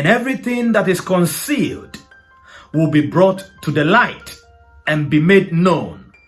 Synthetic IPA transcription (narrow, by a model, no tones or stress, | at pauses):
ɨ̃nɛvɹiθɪ̃ŋðæɾɨz̥kɔ̃nsilˠd | wɪlˠbibɹɔtʰːuðɨlaɪt | ɨ̃nbimedⁿnõʊ̃n